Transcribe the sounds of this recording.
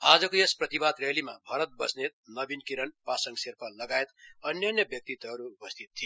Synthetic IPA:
ad͡zʌkoesprʌt̪ibad̪ɾelimabʱʌɾʌt̪̚bʌsnet̪̚nʌbinkiɾʌnpasʌŋɡsirpʰʌlʌɡaet̪ʌnjʌnjʌbjʌk̚t̪it̪ʌɦːɾuːpʌst̪ʰit̪ʰːi

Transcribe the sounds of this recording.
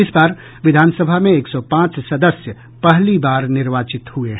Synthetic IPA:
ɪsbaːɾ | ʋɪd̪ʱaːnsəbʱamẽeːksɔpãːt͡ʃsɐd̪əsjə | pɛɦlibaːɾnɪɾʋaːt͡ʃɪt̪hueɦ

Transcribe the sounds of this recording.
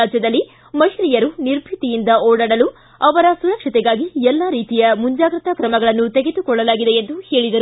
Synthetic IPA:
aːd͡ʒɐd̪ɐlːi | mɐɦɾijɐɾuniɾbʱit̪ijind̪ɐɔːɽɐɽɐlu | ɐʋɐɾɐsuɾɐkʂɐt̪ɛɡaːɡiɛlːaːɾiːt̪ijɐmuɲd͡ʒaːɡɾɐt̪ɐkɾɐmɐɡɐɭɐnːut̪e̞ɡed̪ukɔɭːɐlaːɡid̪eend̪uheːɭid̪ɐɾ

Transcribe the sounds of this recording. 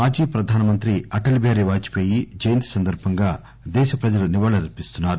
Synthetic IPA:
maːd͡ʒiːpɾɐd̪ʱaːnɐmɐnt̪ɾiɐʈɐlbʱaːɾiʋaːt͡ʃi̥poːjid͡ʒɐjɐnt̪i̥sɐnd̪ɐɾbʱɐŋɡaː | d̪ɛːʃɐpɾɐd͡ʒɐluniʋɐːɭɐɾɐɾpist̪unːaːɾu

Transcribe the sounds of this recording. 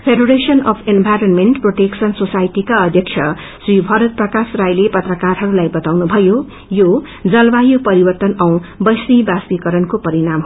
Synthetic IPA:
pʰeɖoɾesʌnʌpʰenbʱajɾonmenʈproʈeksʌnsosajʈikaʌd̪ʱjʌkt͡ʃʰjʌ | sribʱʌɾʌt̪̚prʌkasrajlepʌt̪rʌkarɦʌɾulajbʌt̪awnubʱʌjo | jo | d͡zʌlbajopʌɾibʌrt̪ʌnʌw̃bʌjsnibaspikʌɾʌnkopʌɾinamɦ

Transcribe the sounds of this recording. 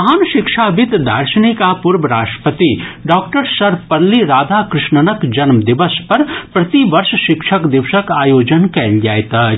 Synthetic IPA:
ɦaːnʃɪkʃabɪt̪d̪ɐ̰ɾʃənikapʊɾbəɾa̰ːʃʈə̥pət̪iɖɔːk̚ʈəɾsɐɾpɐɾliɾaːd̪ʱakɾɪʃɳənəkd͡ʒɐnmd̪ɪʋəspɐɾpɾɐt̪iʋɐɾʃʃɪkʃʰəkd̪ɪʋʃəkaːjoːd͡ʒənkɛːld͡ʒaːet̪a

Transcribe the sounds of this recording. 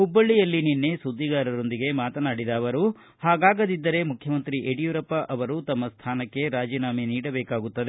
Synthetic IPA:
ɦubːɐɭːijɐlːininːe̞sud̪ːiɡaːɾɐɾo̞nd̪iɡe̞maːt̪ɐnaːɽid̪ɐːʋɐɾu | haːɡaːɡɐd̪id̪ːɐɾe̞mukʰjɐmɐnt̪ɾiʔeɽijuɾɐpːɐʔɐʋɐɾut̪ɐmːɐst̪ʰaːnɐkːe̞ɾaːd͡ʒiːnaːminiːɽɐbɛːkaːɡut̪ːɐd̪e

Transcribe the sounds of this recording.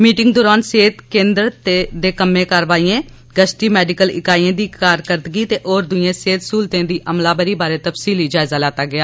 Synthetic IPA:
miːʈɪŋɡ̚d̪ʊːɾaːnseːt̪kẽːnd̪ɾt̪eːd̪eːkəmẽːkəɾʋaːiːẽː | ɡəsʈiːmɛːɖɪkəlɪ̰kaːiẽːd̪iːkaːɾkəɾd̪ɡiːt̪eːʔoːɾd̪ʊẽːseːt̪suːlt̪ẽːd̪iːʔəmlaːbəɾiːbaːɾeːt̪əpsiːliːd͡ʒaːɪzaːlaːt̪aːɡɪaː

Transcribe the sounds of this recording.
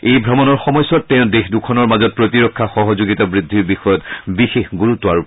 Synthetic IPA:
ejbʱɹɔmɔnɔɹxɔmɔjsɔtːɛʊ̃dexdukʰɔnɔɹmazɔt̚pɹotiɹɔkʰːaxɔɦɔzoɡitabɹidʱːiɹbixɔjɔtbixexɡuɹutːɔaɹ

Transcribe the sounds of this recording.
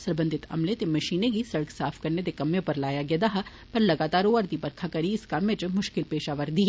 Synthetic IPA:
sɐɾbə̃nd̪ʱɪt̪ɐ̰mlet̪emɐʃiːneɡisɐɽəksaːfʰkɐɾned̪ekɐmjẽpɐɾlaːjaɡed̪aːɦa | pɐɾlɐɡaːt̪aːɾoɐɾd̪ipɐɾkʰakɐɾiɪskamẽt͡ʃmʊʃkɪlpeːʃaːʋəɾd̪iɦ

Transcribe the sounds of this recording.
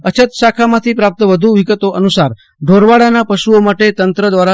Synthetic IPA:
ət͡ʃʰət̪ʃakʰamãt̪ʰipɾap̚t̪əʋəd̪ʱuʋiɡət̪oʔənusaɾ | ɖʱoɾʋaɽanapəʃuomaʈet̪ənt̪ɾəd̪ʋaɾa

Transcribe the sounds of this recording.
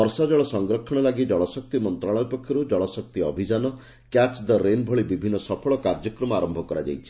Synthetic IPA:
ɔɾsad͡ʒɔɭɔsɔŋɡɾɔkʰɔɽ̃ɔlaɡid͡ʒɔɭɔsɔk̚t̪imɔnt̪ɾaɭɔpɔkʰjɔɾud͡ʒɔɭɔsɔk̚t̪iɔbʱid͡ʒanɔ | kjat͡ʃd̪ɔɾenbʱɔɭibibʱinːɔsɔpʰɔɭɔkaɾd͡ʒɔkɾɔmɔaɾɔmbʱɔkɔɾad͡ʒa̰jt͡ʃʰi̥

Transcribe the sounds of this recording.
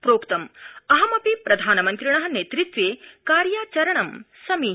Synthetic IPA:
pɾoːkt̪ɐmɐɦɐmɐpipɾɐd̪ʱaːnɐmɐnt̪ɾiɳɐɦɐ̆neːt̪ɾit̪ʋeːkaːɾjaːt͡ʃɐɾɐɳɐmsɐmi

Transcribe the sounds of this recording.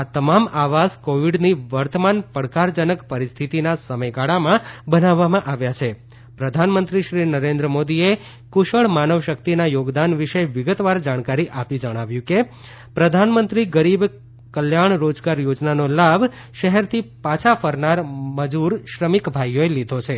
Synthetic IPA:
at̪əmamaʋaskoʋiɖniʋəɾt̪əmanpəɽkaɾd͡ʒənəkpəɾist̪ʰit̪inasəməjɡaɭamãbənaʋːamãʔaʋjat͡ʃʰe | pɾəd̪ʱanmənt̪ɾiʃɾinəɾẽnd̪ɾəmod̪ie | kuʃəɭmanəʋʃək̚t̪inajoɡd̪anʋiʃəʋɪɡət̪ʋaɾd͡ʒaɽ̃kaɾiʔapid͡ʒəɽ̃aʋjũke | pɾəd̪ʱanmənt̪ɾiɡəɾib | kəljaɳ̃ɾod͡ʒɡaɾjod͡ʒnanolab | ʃəɦɛɾt̪ʰipat͡ʃʰafəɾnaɾməd͡ʒuɾʃɾəmikbʱajoelid̪ʱot͡ʃʰe

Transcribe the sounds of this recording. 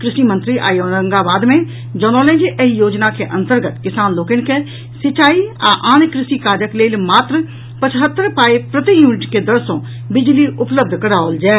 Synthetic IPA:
kɾɪʃimə̃nt̪ɾiʔa̰ːjoːnəŋɡaːbaːd̪mẽ | d͡ʒɔːnoːlẽd͡ʒiʔejoːd͡ʒnakeʔɐ̃nt̪əɾɡət̪kɪsaːnloːkɪnke | sɪt͡ʃaːia̰ʔaːnkɾɪsikaːd͡ʒəkleːlmaːt̪ɾə | pət͡ʃɦət̪ːəɾpaːepɾət̪ijuːnɪʈked̪əɾsõ | bɪd͡ʒliʊpləb̚d̪ʱkəɽaːold͡ʒɛː

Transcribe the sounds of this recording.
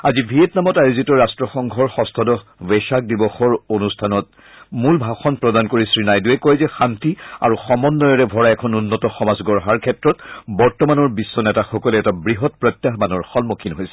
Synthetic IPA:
azibʱietnamɔtajuzitɔɹastɹɔxɔŋɡʱɔɹxɔstʰɔdɔveʃak̚dibɔxɔɹonustʰanɔt̚ | mulbʱaxɔnpɹɔdankoɹisɹinajduɛkɔjzɛxantia̰ɹuxɔmɔnːɔjɔɹɛbʱɔɹaɛkʰɔnunːɔtɔxɔmazɡɔɹɦaɹkʰɛtɹɔtbɔɹtɔmanɔɹbisːɔnɛtaxɔkɔlɛɛtabɹiɦɔtpɹɔjt̪jaɦbanɔɹxɔlmokʰinɦojsɛ

